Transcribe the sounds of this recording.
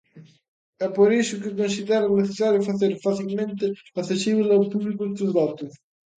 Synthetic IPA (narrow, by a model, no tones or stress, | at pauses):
ɛpːoɾisʊkɪkːonsid̪ɛɾaneθesaɾjofaθeɾfaθilment̪eaθesiβilalpublikʊt̪uzvɔt̪us